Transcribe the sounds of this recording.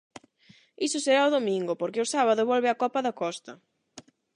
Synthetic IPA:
isʊseɾaʊðomĩŋɡʊpoɾkɪʊsaβaðʊβɔlβɪakɔpɐðɐkɔst̪ɐ

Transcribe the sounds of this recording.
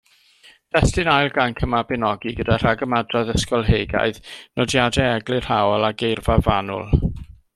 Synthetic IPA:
d̥ɛstɪnajlˠɡankʰəmabɪnɔɡiɡədar̥aɡəmadraðəskɔlˠɦejɡa̰ɨðnɔdjadɛɛɡlˠɪr̥hawɔlˠaɡejrvavanʊ̰lˠ

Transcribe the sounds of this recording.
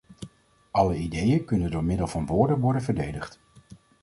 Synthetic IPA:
ʔɑləidejəkɵnəndʊːɹmɪdəlˠvɑnʋʊːɹdənʋɔɹdənvəɹdejdəχt

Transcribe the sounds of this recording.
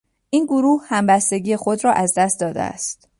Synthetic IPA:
ʔiːnɡoɾuːhhæmbæst̪e̞ɡiːjexo̞d̪ɾɒːʔæzd̪æst̪̚d̪ɒːd̪ḛæ̰st̪

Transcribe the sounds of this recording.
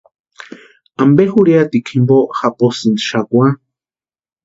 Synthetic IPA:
ambexuɾjat̪ikʰimboxapʼosɨnd̪ʃakwã

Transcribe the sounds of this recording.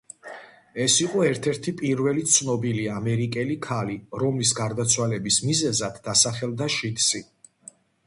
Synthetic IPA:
ɛsiqʼɔɛɾt̪ʰɛɾt̪ʰipʼiɾvɛlit̪sʰnɔbiliamɛɾikʼɛlikʰaliɾɔmlis̬ɡaɾd̪at̪sʰwalɛbismizɛzad̪ːasaχɛlˠd̪aʃit̪ʰʼsi

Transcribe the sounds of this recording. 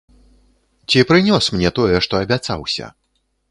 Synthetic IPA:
t͡sʲipɾɨnʲɔsmnʲɛt̪ɔjɛʂt̪ɔɐbʲat̪sa̰wsʲɐ̰

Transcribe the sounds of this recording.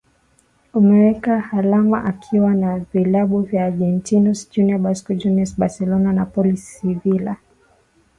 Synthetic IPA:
umɛwɛkahalama̰ʔakʰiwanavilaɓuvjaːɡɛntinusd͡ʒuniabaskɔd͡ʒuniɛsɓasɛlɔnanapɔlisivila

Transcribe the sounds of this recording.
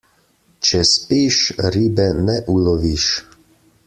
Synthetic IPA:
t͡ʃɛspiʃɾiːbɛnɛʔulɔʋiʃ

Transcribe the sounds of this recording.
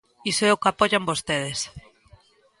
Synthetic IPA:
isoɛokapɔʎambost̪eð̞es

